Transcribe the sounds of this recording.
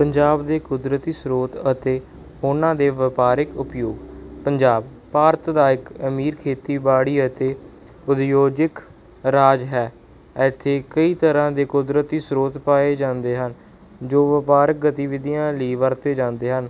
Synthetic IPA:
pəɲd͡ʒaːbd̪eːkʊd̪ɾət̪iːsɾoːt̪ət̪eː | ʊnãːd̪eːʋəpaːɾɪkʊpjoːɡpəɲd͡ʒaːb | paːɾt̪d̪aːɪkəmiːɾkʰeːt̪iːbaːɽiːət̪eː | ʊd̪joːd͡ʒɪk | ɾaːd͡ʒɦɛː | ɛːt̪ʰːeːkəiːt̪əɾãːd̪eːkʊd̪ɾət̪iːsɾoːt̪paːeːd͡ʒãːnd̪eːɦən | d͡ʒoːʋɪpaːɾɪk̚ɡət̪iːʋɪd̪ijãːliːʋəɾt̪eːd͡ʒãːnd̪eːɦən

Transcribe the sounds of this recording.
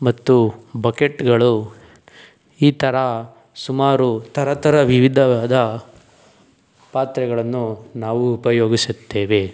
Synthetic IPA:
mɐt̪ːubɐkeʈɡɐɭu | iːt̪ʰɐɾɐ | sumaːɾut̪ʰɐɾɐt̪ɐɾɐʋiʋid̪ʱɐʋaːd̪ɐ | paːt̪ɾɛɡɐɭɐnːunaːʋuːpɐjoːɡisut̪ːe̞ːʋe̞

